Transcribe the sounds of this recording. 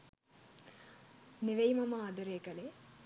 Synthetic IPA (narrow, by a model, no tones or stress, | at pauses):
neʋɐjmɐmaːd̪ɐɾeːkɐle